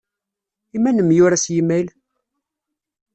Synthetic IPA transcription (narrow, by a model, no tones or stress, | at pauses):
imænəmjʊɾæsjimːæl